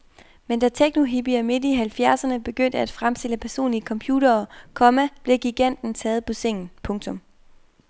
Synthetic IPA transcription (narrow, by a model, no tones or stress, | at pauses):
mend̥æt͡sʰeɡ̥no̝ɦib̥iæme̝d̥iɦælfjæɐsɐnəb̥e̝ɡ̥øn̰d̥əæd̥fʁamsd̥e̝ləpʰæɐso̝̰ːnlikʰɒ̽mpʰjuːd̥ɐːkʰɒ̽mæb̥leɡ̥iɡ̥æn̰d̥n̩t͡sʰɛːð̩ˠpʰɒ̽seŋ̰n̩pʰɔ̽ŋt͡sʰɔ̽m